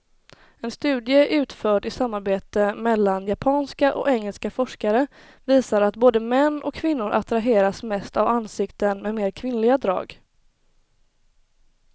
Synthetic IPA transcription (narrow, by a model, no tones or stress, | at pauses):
ɛnst̪ʉ̟ːd̪jəʔʉ̟ːt̪fœːʈɪsamːaɾbeːt̪əmɛlːanjapʰɑːnskaʔɔ̰kɛŋːəlskafɔʂkaɾə | viːsaɾat̪boːd̪əmɛnːʔɔ̰kʰːvɪnːʊɾʔa̰t̪ɾaɦeːɾasmɛst̪avanːsɪkt̪ənmɛmeːɾkʰvɪnːlɪɡad̪ɾɑ̰ːɡ